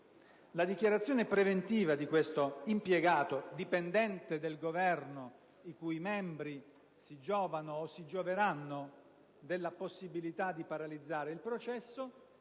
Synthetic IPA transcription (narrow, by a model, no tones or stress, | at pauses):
lad̪ikjaɾat̪sːjɔːnepɾevent̪iːvad̪ikwest̪oimpjɛɡaːt̪od̪ipend̪ɛnt̪ed̪elɡovɛrno | ikujmɛmbɾi | sid͡ʒɔːvanoːsːid͡ʒoveɾanːo | d̪elːaposːibilit̪ad̪ːipaɾalid̪zːaːɾeilpɾot͡ʃɛsːo